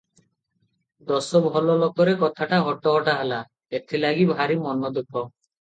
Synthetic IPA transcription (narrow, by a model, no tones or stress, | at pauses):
d̪ɔsɔbʱɔlɔlokɔɾekɔt̪ʰaʈaɦɔʈɔɦɔʈaɦela | et̪ʰilaɡibʱaɾimɔnɔd̪ukɔ